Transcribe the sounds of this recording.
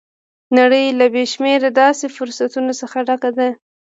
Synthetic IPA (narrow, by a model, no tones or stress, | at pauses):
naɽəjlabeʃmeɾad̪ɑsefʊɾsat̪unosəxaɖakad̪a